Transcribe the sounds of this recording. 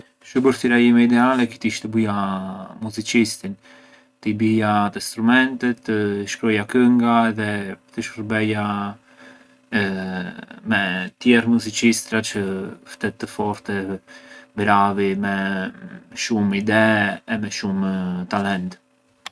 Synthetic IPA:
ʃubəɾθt̪iɾaimɛid̪ɛalɛki̥t̪iʃt̪əbijamuzit͡ʃist̪in | t̪əibijat̪əst̪ɾumɛnt̪ɛt̪ʃkɾɔjakəŋɡaɛðɛpt̪əʃəɾbɛja | mɛt̪jɛɾmuzit͡ʃist̪ɾat͡ʃəft̪ɛt̪ːəfɔɾt̪ɛ | bɾavimɛ | ʃumid̪ɛːmɛʃumt̪alɛnt̪

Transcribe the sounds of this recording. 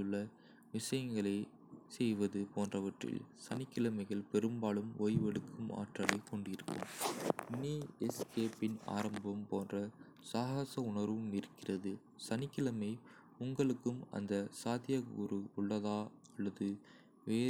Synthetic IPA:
ɯɭːɐ | ʋɪʂɐjɐŋɡɐɭɐɪ | sɛjʋɐðɯpoːndrɐʋɐʈrɪ̰lsɐnɪkːɪlɐmɐɪɣɐɭpɛɾɯmbaːɭɯmoːjʋɛɽɯkʰːɯma̰ːʈrɐɭɐɪkːɔɳɖɪɾɯkːɯ̰mniːɛskeːpːɪna̰ːɾɐmbɐmpoːndrɐ | saːɣɐsɐʊɳɐɾʋɯmɪɾɯkːɪrɐðɯ | sɐnɪkːɪlɐmɐɪ | ʊŋɡɐɭɯkːɯmɐ̰nd̪ɐsaːðɪjɐɔ̰ɾɯʊɭːɐðaːɐɭːɐðɯ | ʋeː

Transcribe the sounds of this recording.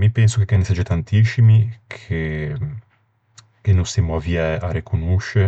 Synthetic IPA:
mipɛnsokekːanːesad͡ʒet̪ant̪isimikʰe | kenosemoavjɛʔaɾekʰonoʃe

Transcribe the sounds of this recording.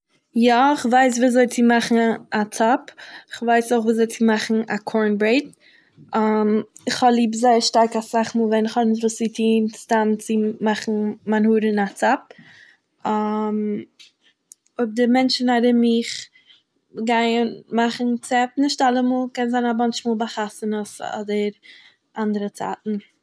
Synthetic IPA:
jaɪχvaɪs̬viːzɔɪt͡simaχn̩at͡sapɪχvaɪsoχviːzɔɪt͡simaχn̩a̰kʰɔɹnbɾeɪt̚ | amɪχhɔlˠiːbzaɪəɾʃtaɾkasaχmuːlˠvɛnɪχhɔnɪʃtvuːsitʰiːnstant͡sɪmaχn̩manhuːɾɪnat͡sap̚ | m | ʊb̚dɪmɛnt͡ʃn̩adɪmɪχ | ɡaɪənmaχn̩t͡sɛpnɪʃtalˠəmuːlˠkɛnzaɪnabɔnʃmuːlˠbaχasənəsɔ̰dəɾ | ʔandəɾət͡sa̰ːtn̩

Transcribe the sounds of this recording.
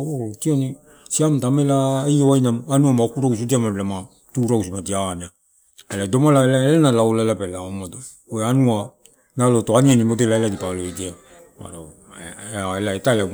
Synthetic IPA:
okioni | siamtamelaejoajnamanuamaokuɾaws̬odiamaɾelama | tuɾawsimadiana | elado̞malaelaelanalaolaelabalaomado | oeanua | nalotoanianimodelaeladipaloedia | ma̰ɾa | aelaetaela

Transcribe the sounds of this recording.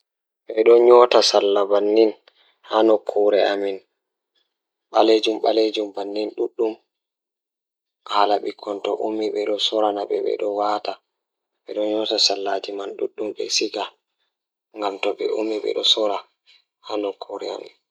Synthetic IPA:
ɓɛɗɔɲɔtasalːabanːin | hanɔkʰɔɾɛamin | ɓaled͡ʒumɓa̰led͡ʒumbanːinɗuɗːum | halaɓikʰːɔntɔʔumiɓɛɗɔsɔɾanaɓɛ̰ɓɛ̰ɗɔwata | ɓɛɗɔɲɔtasalːad͡ʒimanɗṵɗːumɓɛ̰sika | ŋɡamtɔɓɛ̰umiɓɛ̰ɗɔsɔɾa | hanɔkʰːɔɾɛ̰a̰mḭn

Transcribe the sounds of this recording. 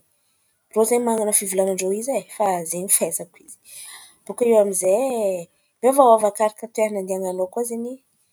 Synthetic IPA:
rozeɲmaŋanəfivulanaɳɖ͡ʐoizajfazeɲifesakwizi̥ | b̥ukaiwamize | bevawavakaɾakət̪eɾnand̪iaŋanokuazeni

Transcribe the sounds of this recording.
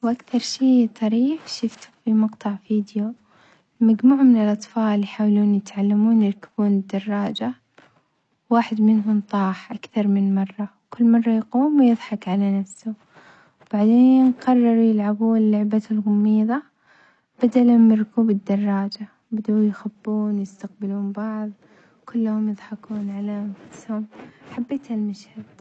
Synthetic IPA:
wʔakθɑɾˤʃiːt̪ˤɑɾiːħʃʊft̪ʊ̥fimɑqt̪ˤɑʕfiːd̪jo | lmad͡ʒmuːʕmɪnɪlʔɑt̪ˤfɑːlljħaːwluːnjɪt̪ʕalːamuːnjɪɾˤkabuːnɪd̪ːɑrˤːɑːd͡ʒa | waːħɪd̪mɪnɦʊnt̪ˤɑːħʔakθɑɾˤmɪnmɑrˤːɑwkʊlːmɑrˤːɑjquːmwjɨðˤħɑkʕalanafsʊ | wb̥aʕd̪eːnqɑrˤːɑɾˤjɪlʕabuːnlːʊʕbalɣʊmːiːðˤɑ | b̥ad̪alʊmjɪɾkuːbɪd̪ːɑrˤːɑːd͡ʒa | bad̪ujxabːuːnjɪst̪aq̚bɪluːnbɑʕðˤ | kʊlːhʊmjɨðˤħɑkuːnʕaleːhʊmfafshʊmħabːeːt̪halmaʃhad̪̥̚

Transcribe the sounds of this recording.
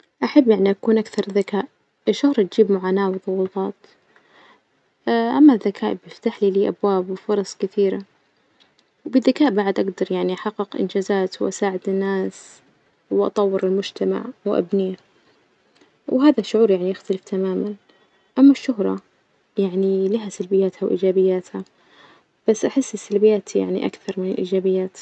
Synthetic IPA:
ʔaħabːjaʕniʔakuːnʔakθɑɾˤðakaːʔ | ʔɪʃːʊhɾˤɑt̪̚d͡ʒiːbmʊʕaːnaːwðˤʊwːʊt̪ˤɑːt̪ | ʔamːaðːakʰaːʔbjɪft̪aħliːliːʔabwaːbwɪfʊɾˤɑsˤkɪθiːɾa | wbɪðːakaːʔbaʕd̪ʔaɡd̪ɑɾˤjaʕniʔaħɑqːɪqʔɪ̰nd͡ʒaːzaːt̪wʔasaːʕɪd̪ɪnːaːs | wʔɑ̰t̪ˤɑwːɪɾɪlmʊd͡ʒt̪ama̰ʕwʔa̰bniː | wɦaːðaʃːʊʕuːɾjaʕnijɪxt̪alɪft̪amaːman | ʔamːaʃːʊɦɾˤɑ̰ | jaʕnilihasalbɪjːaːt̪hawʔḭːd͡ʒaːbɪjːaːt̪ha | b̥asːʔaħɪsːɪsalbɪjːaːt̪ʰja̰ʕnḭʔa̰kθɑɾˤmɪnɪlʔḭːd͡ʒaːbɪjːaːt̪

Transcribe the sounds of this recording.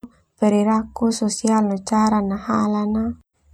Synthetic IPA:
pɛɾiɾakusosialnat͡ʃaɾanahalana

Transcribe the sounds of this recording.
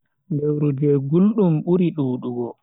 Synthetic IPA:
dɛwɾud͡ʒɛɡulɗumɓuɾiɗuːɗuɡɔ

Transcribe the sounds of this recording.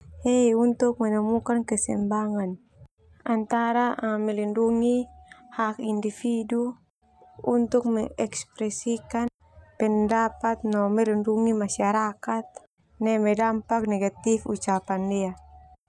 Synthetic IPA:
hejunt̪uk̚manamukankɛsɛmbaŋan | ant̪aɾaʔamɛlinduŋihakindifidu | unt̪uk̚mɛʔɛkspɾɛsikan | pɛndapat̪̚nɔmɛlinduŋimasiaɾakat̪̚ | nɛmɛdampak̚nɛɡat̪ifut͡ʃapandia

